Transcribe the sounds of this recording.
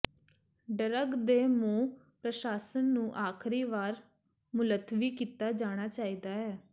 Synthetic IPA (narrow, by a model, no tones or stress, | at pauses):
ɖəɾəɡd̪eːmũː | pɾəʃaːsənːũːʔaːkʰɾiːʋaːɾ | mʊlət̪ʰːʋiːkiːt̪aːd͡ʒaːɽ̃aːt͡ʃaːiːd̪aːɦɛː